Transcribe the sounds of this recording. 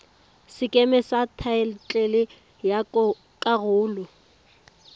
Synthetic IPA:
sɪkʼemɛsatʰaɛlt͡ɬʼelɪ | ja | kʼaɣʊːlʊ

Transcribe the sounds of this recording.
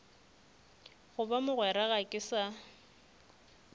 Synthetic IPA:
ɣʊbamʊɣwɛɾaɣakʼɪsa

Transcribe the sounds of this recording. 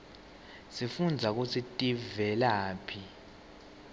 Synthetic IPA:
sifund͡zʱak̬usʰitʼivɛlaːpʰi

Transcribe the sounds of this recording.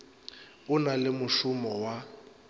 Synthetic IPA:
ʊnalɪmʊʃʊmɔwa

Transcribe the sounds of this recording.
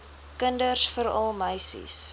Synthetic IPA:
kəndərsfəɾɐ̰lˠməjsḭs

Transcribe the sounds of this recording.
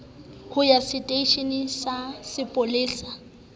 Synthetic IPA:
hʰʊjasɪtʼeʃinɪsasɪpʼolɪːsa

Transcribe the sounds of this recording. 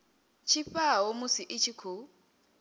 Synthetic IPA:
t͡ʃʰiɸawomʊsiʔɪt͡ʃʰikʰu

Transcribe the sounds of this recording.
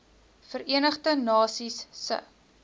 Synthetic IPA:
fəɾiənəχdənɑːsisːə̰

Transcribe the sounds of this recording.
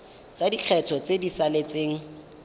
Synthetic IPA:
t͡sadiq͡χʰɛtʰɔt͡sedisalet͡seːŋ̩

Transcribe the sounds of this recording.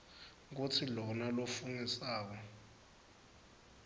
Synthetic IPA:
k̬utʰilɔnalofunisaːk̬ɔ

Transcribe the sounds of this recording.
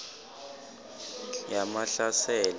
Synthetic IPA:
jamaɬasɛːl

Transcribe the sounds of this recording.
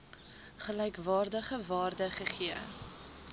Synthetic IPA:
χəlɛjkvɑːrdəχəvɑːrdəχəχiə

